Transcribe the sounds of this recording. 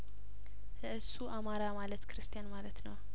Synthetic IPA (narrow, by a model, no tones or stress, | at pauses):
ləʔɨsːuʔamaɾamalət̪kɾɨst̪ʰijanmalət̪nəw